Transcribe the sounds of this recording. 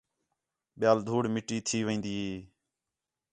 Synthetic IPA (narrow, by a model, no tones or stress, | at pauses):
ɓɪjaːld̪ʱuːɽmɪʈiːt̪ʰiːʋə̃ĩːnd̪iːɦeː